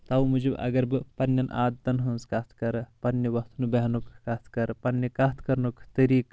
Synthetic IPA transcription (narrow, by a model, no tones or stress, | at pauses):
t̪ɐwmud͡ʒebʔɐ̰ɡɐɾbɨpɐnːɐnʔa̰ːd̪ːɐnɦunskɐt̪ʰkɐɾpɐnːiʋɐst̪ʰnubɐɦnukːɐt̪ʰkɐɾpɐnːikɐt̪ʰkɐɾnukʰt̪ɐɾiːk